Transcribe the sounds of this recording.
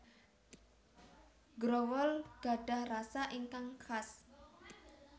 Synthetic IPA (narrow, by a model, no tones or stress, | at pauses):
ɡɾɔwɔlɡ̥a̤ɖ̥a̤hrasaʔiŋkaŋkʰas